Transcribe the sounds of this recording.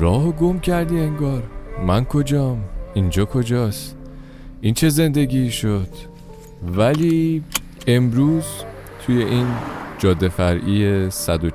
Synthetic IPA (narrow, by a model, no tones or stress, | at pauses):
ɾɒːɦoɡo̞mcʰæɾd̪iːeŋɡɒːɾmænkʰo̞d͡ʒɒːmind͡ʒɒːkʰo̞d͡ʒɒːst̪ | ʔint͡ʃʰe̞ze̞nd̪e̞ɟʲiːʃo̞d̪̥ | væliː | e̞mɾuːz | t̪ʰuje̞ʔiːnd͡ʒɒːd̪ːe̞fæɾʔiːesæd̪o